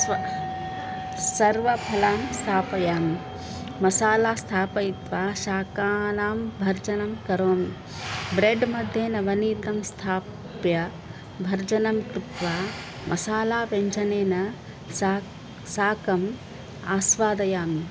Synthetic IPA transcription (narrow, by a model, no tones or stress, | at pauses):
sɐɾʋɐpʰɐlaːmst̪ʰaːpɐjaːmi | mɐsaːlaːst̪ʰaːpɐit̪ʋaːʃaːkaːnaːmbʱɐɾd͡ʒɐnɐmkɐɾoːmi | bɾeɖmɐd̪ʱjeːnɐʋɐniːt̪ɐmst̪ʰaː | pjɐ | bʱɐɾd͡ʒɐnɐmkɾut̪ʋaː | mʔɐsaːlaːʋeɲt͡ʃɐneːnɐ | saːkɐm | aːsʋaːd̪ɐjaːmi